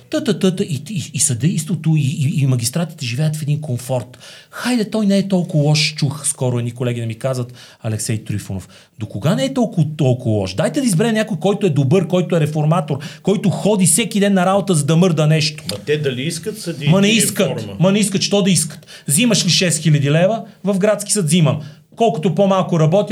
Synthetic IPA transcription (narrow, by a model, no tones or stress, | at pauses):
t̪ət̪ət̪ət̪əʔiiːsɐd̪ɛjst̪vot̪oiːmɐɡʲist̪ɾat̪i̥t̪ɛʒivɛjət̪fɛd̪inkomfɔɾt̪ | xajd̪ɛt̪ɔjnɛɛt̪ɔlˠkʊvɐlˠɔʃt͡ʃuxskɔɾʊɛd̪nikolɛɡ̟ʲinɛmikazvət̪ | ɐlɛksɛjt̪ɾifo̰no̰f | d̪okoɡanɛɛt̪ɔlˠkʊvt̪ɔlˠkʊvɐlˠɔ̰ʃd̪ajt̪ɛd̪ɐizbɛɾɛnʲakojkɔjt̪ʊɛd̪obɤɾkɔjt̪oɛɾɛfoɾmat̪oɾkɔjt̪ʊxɔd̪ifsɛkid̪ɛnːɐɾabot̪əzɐd̪ɐmɤɾd̪ənɛʃt̪o̥t̪ɛd̪ɐliiskət̪sɐd̪imɐnɛiskət̪mɐnɛiskət̪ʃt̪ɔd̪ɐiskə̥t̪zimɐʃliʃɛsxilʲɐd̪ilɛvəvɐfɡɾat̪skʲi̥sət̪ziməm | kɔlˠkʊt̪opomalˠkʊɾɐbɔt̪ʲ